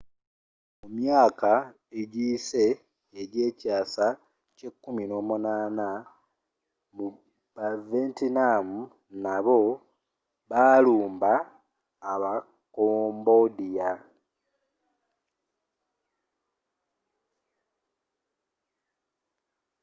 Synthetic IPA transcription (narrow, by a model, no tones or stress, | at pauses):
mumjaːka | eɟiːse̞ː | ɟe̞ːcaːsa | cekːumino̞ːmunaːna | mu | baveːntinamu | naβo̞ | βaːluːmbaː | βa | kombo̞dija